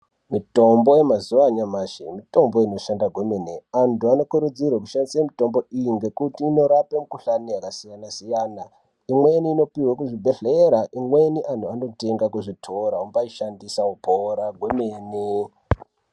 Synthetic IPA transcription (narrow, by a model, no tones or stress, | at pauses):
mito̞mbo̞je̞mazuʋaɲamaːʃḛmito̞mbo̞ino̞ʃandaɡʱwemeneantuano̞kuɾud͡zirwak̬uʃandisamito̞mbo̞ijiŋɡe̞kutiːno̞ɾapemukuɬanejakasijanasijaːna | imwe̞niːno̞piwakuʐibʱe̞ɮeɾaʔimwe̞niʔantuano̞te̞ŋɡakuʐitʰoɾaumbaiʃandisaupʰoɾaɡʱwemeːne